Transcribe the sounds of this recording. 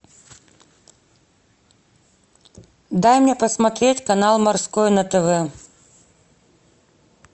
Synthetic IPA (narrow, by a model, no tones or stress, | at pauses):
d̪ajmʲnʲɛpɐsmat̪ɾʲet͡sʲkanalˠmarskɔjnɐt̪ɛvɛ